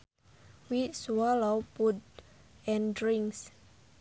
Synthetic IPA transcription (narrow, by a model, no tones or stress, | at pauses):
wiswɔlopudɛ̃ndɹiŋks